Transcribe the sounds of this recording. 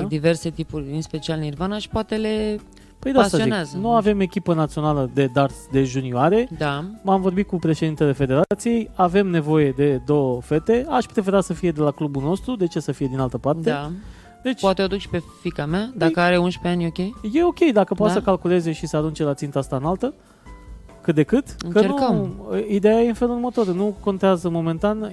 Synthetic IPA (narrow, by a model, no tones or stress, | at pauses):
d̪ive̞rse̞t̪ipurʲɨnspe̞t͡ʃialnirvanaʃi̥poat̪e̞le̞ | pəjd̪asst̪aioineazənuave̞me̞kʲipənat̪sio̞naləd̪e̞d̪art̪d̪e̞ʒunioaɾe̞d̪amamvo̞rbit̪̚kupɾe̞ʃed̪int̪e̞le̞fe̞d̪e̞ɾat̪sije̞jave̞mne̞vo̞je̞d̪e̞d̪o̞wəfe̞t̪e̞aʃpɾe̞feɾat̪səfije̞d̪e̞laklubulno̞st̪ɾud̪e̞t͡ʃe̞səfije̞d̪inalt̪əpart̪ea | d̪e̞t͡ʃpoat̪eod̪ukʃi̥pe̞fikamead̪aakəaɾeunʃpeanjokʲejje̞o̞kʲe̞jd̪akəpoat̪səkalkule̞ze̞ʃisəaɾunt͡ʃe̞lat̪sint̪əast̪aɨnalt̪ə | kɨt̪̚d̪e̞kɨt̪ɨkəneəmid̪e̞jajeɨnfe̞lurmət̪o̞ɾnuko̞nt̪eazəmo̞me̞nt̪an